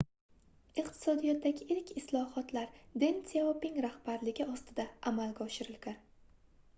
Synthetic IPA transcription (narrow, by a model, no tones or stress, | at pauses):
ɪqt̪ʰɪ̥sɒd̪ijɒt̪ʰːaɡʲɪʔɪɾkʲʰɪslˠɒhɒt̪laɾd̪ensopɪŋɾahb̥aɾlɪɡʲɪɒst̪ɪd̪aʔamalɡʲaɒʃɪɾɪlɡʲan